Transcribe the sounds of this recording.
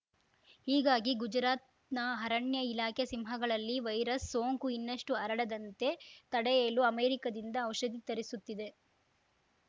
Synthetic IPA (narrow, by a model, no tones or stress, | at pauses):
hiːɡaːɡiɡud͡ʒɾaːt̪ | nɐɦɐɾɐɳjɐilaːkʰesimɦɐɡɐɭɐlːiʋɐjɾɐsːoːŋkuinːɐʂʈuɐɾɐɽɐd̪ɐnt̪e̞t̪ɐɽɛjeːluɐmeːɾikɐd̪ind̪ɐːwʃɐd̪it̪ɐɾisut̪ːid̪e̞